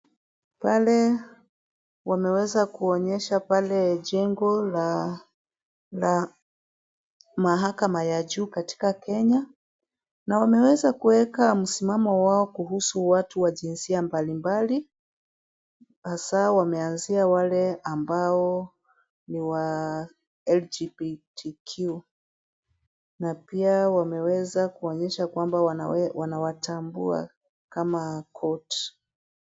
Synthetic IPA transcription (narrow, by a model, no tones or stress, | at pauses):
palɛ | wamɛwɛzakuɔɲɛʃapalɛʄɛŋɡɔla | la | maɦakamajaʄuːkati̥kakɛɲa | nawamɛwɛzakuwɛkam̩simamɔwaɔkuɦusuwatuwaʄinsiambalimbali | hasawamɛanziawalɛambaɔ | niwa | ɛld͡ʒipitikʰju | napiawamɛwɛzakuɔɲɛʃakwambawanawatambṵa̰ | kamakʰɔt